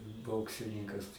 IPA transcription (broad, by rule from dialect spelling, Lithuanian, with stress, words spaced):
ˈboːksʲɪnʲɪŋkɐs